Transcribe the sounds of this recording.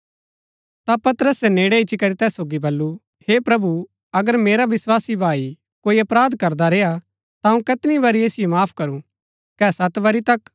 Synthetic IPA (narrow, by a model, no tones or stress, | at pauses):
t̪apɐt̪əɾəsɛneːɽeɪt͡ʃikɐɾit̪ɛːsːoːɡibɐlːu | heːpɾɐbu | ɐɡəɾmeːɾaʋɪswaːsibʱaːi | koːiɐpɾaːd̪kɐɾd̪aɾeːa | t̪aũkɐt̪ɪniʋaːɾieːsɪjomaːpʰkɐɾũ | kɛːsɐt̪ʋɐɾit̪ɐk